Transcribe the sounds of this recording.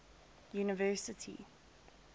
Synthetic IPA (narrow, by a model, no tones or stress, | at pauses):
juːnɪvɜˑsɪtʰḭ